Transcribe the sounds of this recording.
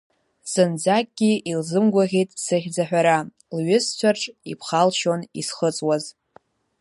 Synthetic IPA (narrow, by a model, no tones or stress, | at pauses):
sɨnd͡zak̚ʼɡʲiilzɨmɡʷaʁʲejtʼsɨχʲd͡zaħʷᶣaɾa | lɥʏst͡ɕʷʰarʈ͡ʂʼipʰχalʃonḭsχət͡sʼwaz